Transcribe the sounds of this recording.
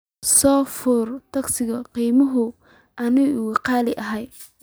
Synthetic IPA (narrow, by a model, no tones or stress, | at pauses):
sɔːfʊrt̪ʰɐɡsɪɣɐqiːmɐɦʊ | ʔɐnɪʊqɑːlɪʔɐɦɛj